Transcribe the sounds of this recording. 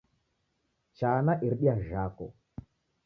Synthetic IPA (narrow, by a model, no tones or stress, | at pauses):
t͡ʃaːnaʔiɾɗiaʒako̰